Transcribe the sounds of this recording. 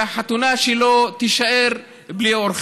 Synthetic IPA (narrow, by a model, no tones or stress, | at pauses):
aħat̪unaʃelot̪iʃaʔeɾ | blioɾχ